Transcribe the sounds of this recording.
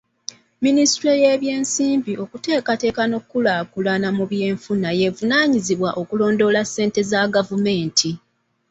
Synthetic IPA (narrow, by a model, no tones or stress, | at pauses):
ministɾejeβje̞ːnsiːmbiʔo̞kute̞ːkate̞ːkano̞kːulaːkulanamuβje̞ːɱfunaje̞vunaːɲiziβwaʔo̞kulo̞ːndo̞lasːe̞ːnte̞zaɡavume̞ːntʰi